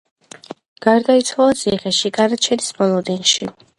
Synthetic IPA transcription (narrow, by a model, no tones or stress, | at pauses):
ɡ̥aɾd̪ait̪sʰwalat̪sʰiχɛʃiɡanat͡ʃʰɛnismɔlˠɔd̪inʃi